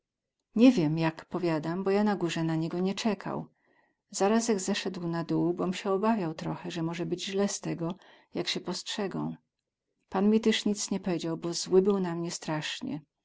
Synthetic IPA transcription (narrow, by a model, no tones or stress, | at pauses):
ɲɛvʲjɛmjakpɔvʲjad̪ambɔjanaɡuʐɛnaɲɛɡɔɲɛt͡ʂɛkʰa̰w | z̥aɾas̬jaɡzɛʂɛd̪wnad̪uwbɔmɕɛɔbavʲjawt̪ɾɔxɛʐɛmɔʐɛbɘd͡ʑʑlɛst̪ɛɡɔ | jakɕɛpɔstʂɛɡɔ̰̃w̃ | panmʲit̪ɛʂɲit̪sɲɛpɔvʲjed͡ʑawbɔzwɘbɘwnamɲɛst̪ɾaʂɲɛ̰